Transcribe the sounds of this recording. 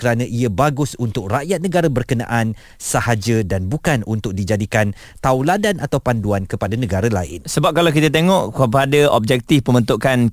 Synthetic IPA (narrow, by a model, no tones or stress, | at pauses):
kəɾanãʔiəbaɡʊsunt̪ʊk̚raʔjat̪̚nə̃ɡaɾabərkənã̰ʔan | səhad͡ʒədanbukanunt̪ʊk̚did͡ʒadikan | t̪awladanʔat̪awpanduankəpadanə̃ɡaɾala̰ɪ̰nsəbap̚kalawkit̪at̪̬eŋɔʔəpadaɔb̚d͡ʒɛk̚t̪ɪfpəmənt̪uʔkan